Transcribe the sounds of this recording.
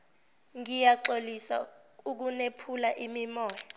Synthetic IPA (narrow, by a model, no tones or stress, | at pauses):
ŋijaǃolisa̰ | uk̬unepʰulaʔimimɔːjɔ